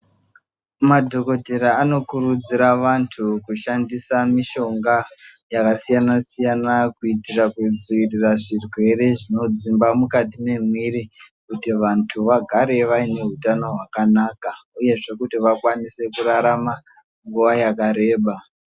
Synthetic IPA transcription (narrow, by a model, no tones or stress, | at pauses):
madʱo̞ko̞dʱe̞ɾaːno̞kuɾud͡ziɾaʋantʰukuʃandisamiʃo̞ŋɡajakasijanasijanakuitirakud͡zuiriraʐirwe̞ɾe̞ʐino̞d͡zimbamukat̬ine̞m̤iri | kutiʋantʰuʋaɡʱaɾe̞ʋaine̞ɦutano̞ɦwakanakauje̞ʐe̞kutiʋakwanise̞kuraɾama | ŋɡuʋajakaɾe̞ːɓa